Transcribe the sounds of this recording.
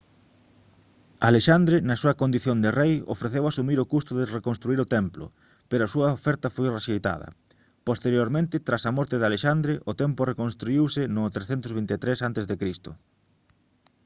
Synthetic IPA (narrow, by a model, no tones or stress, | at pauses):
aleʃand̪ɾenɐsuɐkond̪iθjond̪ɪrejo̰fɾeθewasumiɾokust̪ʊðɪrekonst̪ɾuiɾʊt̪ɛmplʊ̰ | peɾoɐsuɐofɛɾt̪ɐfojreʃejt̪a̰ðɐ̰ | post̪eɾjoɾmẽnt̪ɪt̪ɾasɐmɔɾt̪ɪðaleʃand̪ɾɪʔʊt̪emplʊrekonst̪ɾuiwsɪnʊt̪ɾesθɛnt̪ʊzβint̪et̪ɾesant̪ezðekɾist̪ʊ